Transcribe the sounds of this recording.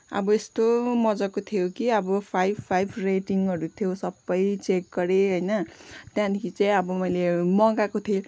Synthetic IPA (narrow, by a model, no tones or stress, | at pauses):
ʌ̰bʌest̪omʌd͡zʌkot̪ʰijokiʌbʌpʰajbpʰajbʱreʈiŋʌɾut̪ʰijosʌbːʌjt͡sekɡʌɾeɦʌjnʌt̪jãd̪ikʰit͡sajĩʌbʌmʌjlemʌɡakot̪ʰio